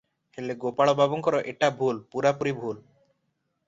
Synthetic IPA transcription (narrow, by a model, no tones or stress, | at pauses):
heleɡopaɭɔbʱabɔŋkɔɾɔʔeʈabʱulpuɾapuɾibʱul